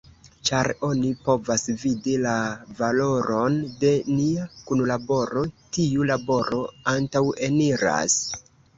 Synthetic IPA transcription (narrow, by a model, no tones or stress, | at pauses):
t͡ʃaɾo̞nipo̞vasvidilavalo̞ɾo̞nde̞niakunlabo̞ɾo̞tiulabo̞ɾo̞antawe̞niɾa̰s